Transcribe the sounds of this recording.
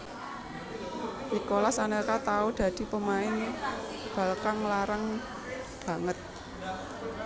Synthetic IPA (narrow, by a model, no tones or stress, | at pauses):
ʔikolasanelkat̪aud̪̥ä̤d̪̥i̤pəmaɪŋ | b̥a̤lkaŋlaɾaŋ | b̥a̤ŋət̪̚